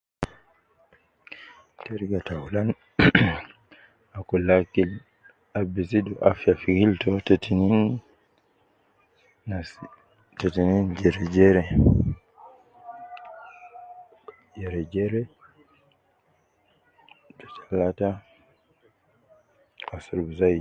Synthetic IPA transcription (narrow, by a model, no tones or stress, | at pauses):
tɛɾɡatawlan | akɔlakil | abisidɔʔafijafiɡiltɔtetinin | s | tɛtinind͡ʒɛɾɛd͡ʒɛɾɛ | d͡ʒɛɾɛd͡ʒɛɾɛ | dɔt͡ʃḁlata | asɾubzaj